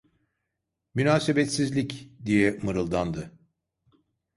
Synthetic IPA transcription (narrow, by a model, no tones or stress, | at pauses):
mynaːsebɛt̪sizlʲicd̪ijɛmɯɾɯlˠd̪and̪ɯ